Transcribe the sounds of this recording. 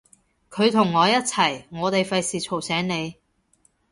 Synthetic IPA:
kʰɵ˨˧ɥt̪ʰʊ˨˩ŋːɔː˨˧jɐ˥t̚t͡sʰɐ˨˩jŋɔː˨˧t̪e˨jfɐ˧jsiː˨t͡ʃʰo˨˩wsɛː˨˥ŋne˨˧j

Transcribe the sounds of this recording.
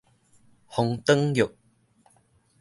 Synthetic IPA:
hʊ˨˧ŋt̪ə˥ŋjʊ˨k̚

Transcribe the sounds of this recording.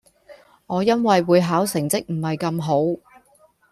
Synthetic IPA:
ŋɔː˨˧jɐ˥nwɐ˨jwuː˨˧jɦaː˨˥wsɪ˨˩ŋt͡sɪ˥k̚m̩˨˩hɐ˨jkɐ˧mɦo˨˥w

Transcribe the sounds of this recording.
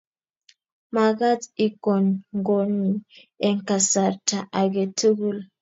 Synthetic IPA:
ma˨ɡa˦ti˦kɔ˨nŋɡo˨ni˨ | e˨ŋ˨ka˨sa˨ta˨ʔa˨ɡe˨tu˦ɡu˦l

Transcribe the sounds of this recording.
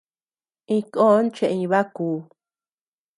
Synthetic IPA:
ĩ˧ko˦nt͡ʃẽ˧ʔĩ˧βa˦kuː˨

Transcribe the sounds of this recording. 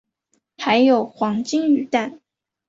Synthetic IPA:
xa˧˥ɪjo˨˩ʊxwɑ˧˥ŋt͡ɕi˥ŋy˨˩t̪a˥˩n

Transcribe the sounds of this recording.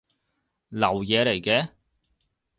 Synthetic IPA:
lɐ˨˩wjɛː˨˧le˨˩jkɛː˧

